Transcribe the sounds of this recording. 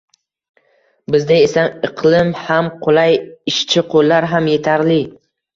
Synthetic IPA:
bɪzd̪ɪesaɨqʰlɪmhamqʰolˠajɪʃt͡ʃʰɪqʰolˠːaɾɦamje̞t̪ʰaɾlɪ

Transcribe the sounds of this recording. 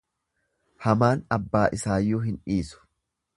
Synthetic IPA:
hɐmaːnɐbːaːʔɪsaːjːuːɦɪnᶑiːsʊ̥

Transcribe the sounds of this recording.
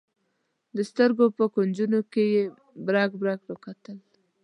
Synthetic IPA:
d̪əst̪əɾɡopəkond͡ʒunokeje | bɾɑɡbɾɑkɾəkat̪əl

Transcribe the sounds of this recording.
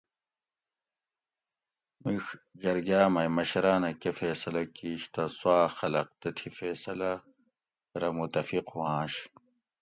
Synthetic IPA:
mixd͡ʑɐɾɡaːmɐjmɐɕɾaːnɐkefeːsɐlɐkiːɕt̪ɐswaːxɐlɐq̚t̪ɐt̪ʰifeːsɐlɐ | ɾɐmut̪ɐfiquwãːɕ

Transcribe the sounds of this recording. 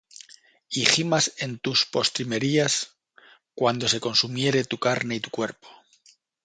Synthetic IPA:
iximase̞nt̪uspo̞st̪ɾime̞ɾias | kwand̪o̞se̞ko̞nsumje̞ɾe̞t̪ukaɾne̞it̪ukwe̞ɾpo̥

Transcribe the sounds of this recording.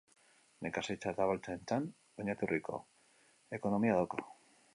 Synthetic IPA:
nekasejt͡ʃat̪aβalt̪aent͡san | oɲat̪uriko̰ | ekonomiaðoko

